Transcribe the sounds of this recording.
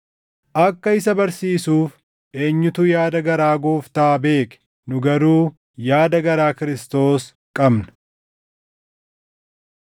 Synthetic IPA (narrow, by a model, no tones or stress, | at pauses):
ʔɐkːɐɪsɐbɐɾsiːsuːf | ʔe̞ːɲːʊt̪ujaːd̪ɐɡɐɾaːɡoːft̪aːbe̞ːkɛ̥ | nʊɡɐɾuː | jaːd̪ɐɡɐɾaːkɪɾɪst̪o̞ːs | kʼɐbnɐ̥